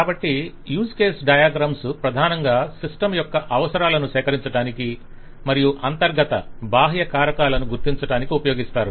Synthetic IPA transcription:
kaːbɐʈːi | juːskeːsɖɐjaːɡɾaːmsupɾɐd̪ʱaːnɐŋɡaːsiʂʈɐmjɔkːɐʔɐʋɐsɐɾaːlɐnuʃɛːkɐɾiɲt͡ʃɐɽaːniki | mɐɾijuʔɐnt̪ɐɾɡɐt̪ɐbʱaːɦjɐkaːɾɐkaːlɐnuɡuɾt̪iɲt͡ʃɐɽaːnikiupɐjoːɡist̪aːɾu

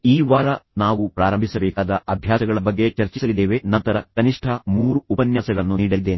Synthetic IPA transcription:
iːʋaːɾɐnaːʋupɾaːɾɐmbʱisɐbɛːkaːd̪ɐʔɐbʱjaːsɐɡɐɭɐbɐɡːe̞t͡ʃɐɾt͡ʃisɐlid̪eːʋenɐnt̪ɐɾɐkɐniʂʈʰɐmuːɾuːpɐnjaːsɐɡɐɭɐnːuniːɽɐlid̪ːeːni

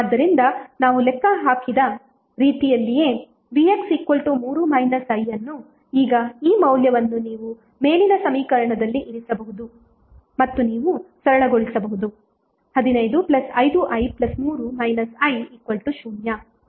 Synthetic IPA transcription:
aːd̪ːɐɾind̪ɐnaːʋulɛkːɐɦaːkid̪ɐ | ɾiːt̪ijɐlːije̞ː | ʋieksikwoɭʈumuːɾumɐjnɐsɐjːɐnːu | iːɡɐiːmɐwljɐʋɐnːuniːʋu | me̞ːlinɐsɐmiːkɐɾɐɳɐd̪ɐlːiʔiɾisɐbɐɦud̪u | mɐt̪ːuniːʋusɐɾɐɭɐɡoɭisɐbɐɦud̪u | hɐd̪inɐjd̪uplɐsɐjd̪uʔɐjplɐsmuːɾumɐjnɐsɐjikwoɭʈuʃuːnjɐ

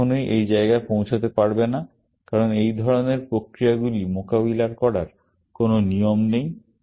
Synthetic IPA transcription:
onejʔejd͡ʑaeɡaepõw̃t͡ɕʰot̪epaɾbena | kaɾonejd̪ʱɔɾoneɾpɾokɾijaɡulimokabilaɾkɔɽaɾ | kononijomnej

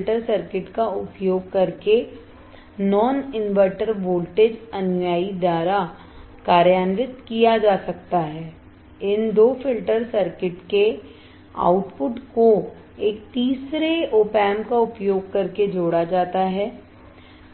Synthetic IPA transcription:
lʈəɾsəɾkɪʈkaʊpjoːɡ̚kɐɾke | nɔːnɪnʋəɾʈəɾboːlʈeːd͡ʒɐnjaːid̪aːɾa | kaːɾjaːnʋɪt̪kijad͡ʒaːsɐk̚t̪aɦɛː | ɪnd̪oːfɪlʈəɾsɐɾkɪʈke | a̰ːʊʈpʊʈko | eːk̚t̪iːsɾeoːpɛːmkaʊpjoːɡ̚kɐɾked͡ʒoːɽad͡ʒaːt̪aɦɛː

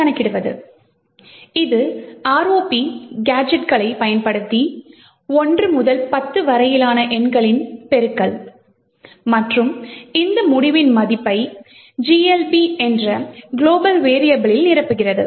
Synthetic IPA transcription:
kɐnɐkːɪɽɯʋɐðɯ̰ | ɪðɯaːɾoːpiɡaːd͡ʒɛʈkɐɭɐɪpɐjɐnpɐɽɯt̪ːi | ɔndrɯmʊðɐlpɐt̪ːɯʋɐɾɐjɪlaːnɐʔɛɳɡɐɭɪnpɛɾɯkːɐɭ | mɐʈrɯmɪnd̪ɐmʊɽɪʋɪnmɐðɪpːɐɪ | d͡ʒiːɛlpiɛndrɐɡɪɭoːbɐlʋeːɾɪjɐbɪɭɪlnɪrɐpːɯɣɪrɐðɯ̰

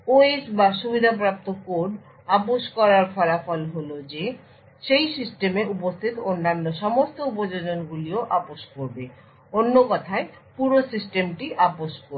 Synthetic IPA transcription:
oesbaʃubid̪ʱapɾap̚t̪okoɖ | apoʃkɔɾaɾfɔɾafolɦolod͡ʑe | ʃejsisʈemeʔupost̪ʰit̪onːanːoʃɔmost̪oupod͡ʑod͡ʑonɡulioʔapoʃkoɾbe | onːokɔt̪ʰaepuɾosisʈemʈiʔaboʃkoɾ

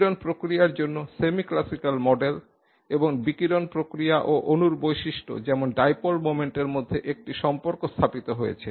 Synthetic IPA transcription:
ɾonpɾokɾiaɾd͡ʑonːosemiklasikalmɔɖel | eboŋbikiɾonpɾokɾijaʔoʔonuɾbojʃiʃʈo̰d͡ʑɛmonɖajpolmomeɳʈeɾmod̪ʱːeʔek̚ʈiʃɔmpoɾkost̪ʰapit̪oɦojḛt͡ɕʰe

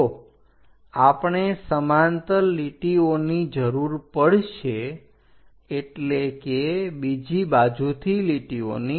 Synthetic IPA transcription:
apɳesəmant̪əliʈionid͡ʒəɾuɾpəɽʃe | ʈlekebid͡ʒibad͡ʒut̪ʰiliʈio̰ni

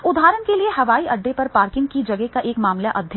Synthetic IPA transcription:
ʊd̪ʱaːɾənkelieɦɐʋaːiʔɐɖːepɐɾpaːɾkɪ̃ŋɡ̚kid͡ʒɐɡekaʔeːkmaːmlaʔɐd̪ʱj

